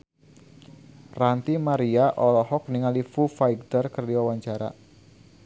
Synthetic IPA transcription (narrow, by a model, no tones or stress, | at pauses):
rant̪imaɾiaʔɔlɔɦɔk̚niŋalifufajɡ̚t̪ərkərdiwawaɲt͡ʃaɾa̰